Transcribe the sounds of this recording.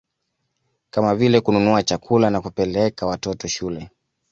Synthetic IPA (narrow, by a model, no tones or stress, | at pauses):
kamavilɛkununuat͡ʃakʰulanakupɛlɛkawatɔtɔʃulɛ